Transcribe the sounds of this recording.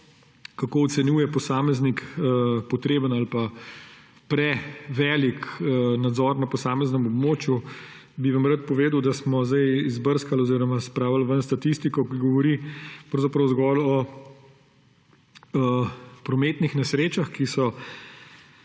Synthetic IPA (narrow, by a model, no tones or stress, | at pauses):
kakoɔt̪sɛnjuːjɛpɔsaːmɛznikəpɔt̪ɾeːbənalpa | pɾɛʋɛliknad̪zɔɾnapɔsaːmɛznəmɔbmoːt͡ʃju | biʋamɾat̪̚pɔʋeːd̪əwd̪asmɔzd̪ajizbəɾskalɔziːɾɔmaspɾaːwalʋənst̪at̪ist̪ikɔkiɡɔʋɔɾipɾɐwzapɾɐwzɡɔlɔ | əpɾɔmeːt̪nixnɛsɾeːt͡ʃaxkisɔ